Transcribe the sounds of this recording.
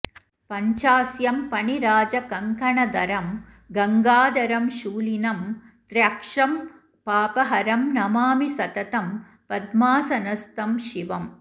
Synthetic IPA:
pɐɲt͡ʃaːsjɐmpɐɳiɾaːd͡ʒɐkɐŋkʰɐɳɐd̪ɐɾɐm | ɡɐŋɡaːd̪ɐɾɐmʃuːlinɐm | t̪ɾjɐkʂɐm | paːpɐɦɐɾɐmnɐmaːmisɐt̪ɐt̪ɐm | pɐd̪maːsɐnɐst̪ɐmʃiʋɐm

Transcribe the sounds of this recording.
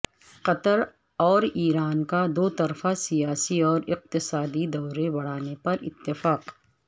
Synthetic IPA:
qɐt̪əɾ | ɔːɾiːɾaːnkad̪oːt̪ɐɾfasijaːsiɔːɾɪq̚t̪ɪsaːd̪id̪ɔːɾebɐɽ̤aːnepɐɾɪ̰t̪ːɪfaːq

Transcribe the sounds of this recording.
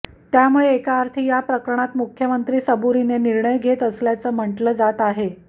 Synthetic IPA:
t̪jamuɭeːkaːɾt̪ʰiːjapɾəkɾəɳ̃at̪mukʰjəmənt̪ɾiːsəbuɾineniɾɳəjɡʱet̪əsljat͡səm̤əɳʈləːd͡zat̪aɦe

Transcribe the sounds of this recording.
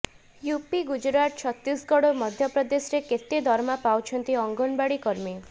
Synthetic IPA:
jupiɡud͡ʒɾat̪t͡ʃʰɔt̪ɾisɡɔɽomɔd̪ʱjɔpɾɔd̪esɾeket̪ed̪ʱɔɾmapawt͡ʃʰɔnt̪iɔŋɡɔnbaɽikɔɾmi

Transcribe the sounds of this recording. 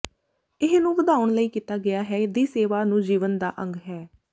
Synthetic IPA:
ɪnũːʋəd̪aːʊəɳləiːkiːt̪aːɡɪjaːɦɛːd̪iːseːʋaːnũːd͡ʒiːʋənd̪a̰ːʔə̃ŋɡɦɛː

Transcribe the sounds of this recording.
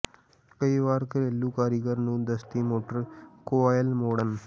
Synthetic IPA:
kəiʋaːɾkəɾelːukaɾiɡəɾnũːd̪əst̪iːmoʈəɾkoʋajəlmoɽən

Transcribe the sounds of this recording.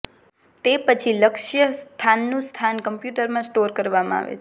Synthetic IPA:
t̪epət͡ʃʰiləkʃjəst̪ʰanːũst̪ʰankəmpjuʈəɾmãsʈoɾkəɾʋamã̰a̰ʋḛ

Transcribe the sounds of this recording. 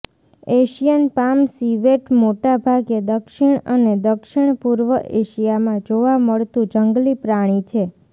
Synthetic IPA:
eʃijənpamsiʋeʈmoʈabʱaɡed̪əkʃiɳəned̪əkʃɪɳ̃puɾʋəʔeʃijamãd͡ʒoʋaməɭt̪ũd͡ʒəŋɡlipɾaɽ̃it͡ʃʰe

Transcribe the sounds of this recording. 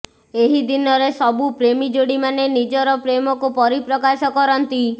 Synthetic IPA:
eɦid̪inɔɾesɔbupɾemid͡ʒoɽimanenid͡ʒɔɾɔpɾemɔkupɔɾipɾɔkasɔkɔɾɔnt̪i

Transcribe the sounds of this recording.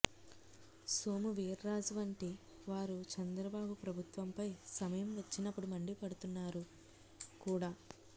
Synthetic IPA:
soːmuʋiːɾːaːd͡ʒuʋɐɳʈi | ʋaːɾut͡ʃɐnd̪ɾɐbaːbupɾɐbʱut̪ʋɐmpɐjsɐmɐjɐmʋɐt͡ʃːinɐpːuɽumɐɳɖipɐɽut̪unːaːɾu | kuːɽaː

